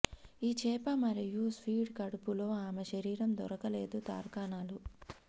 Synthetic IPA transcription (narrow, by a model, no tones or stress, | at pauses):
iːt͡ʃɛːpɐmɐɾijuspʰiːɖkɐɽupulo̞ːaːmeʃɐɾiːɾɐmd̪ɔɾɐkɐle̞ːd̪ut̪a̰ːɾkaːnaːlu